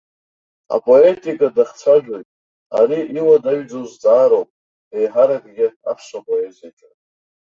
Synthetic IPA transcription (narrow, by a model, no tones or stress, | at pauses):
a̰pʼo̞e̞tʼikʼadaχt͡sʷʰaʒᶣojtʼ | a̰ɾiʔiwadaɥd͡zowzt͡sʼaːɾowpʼ | ejħaɾaɡʼɡʲɪa̰pʰʂapʼo̞e̞zijat͡ʃʼo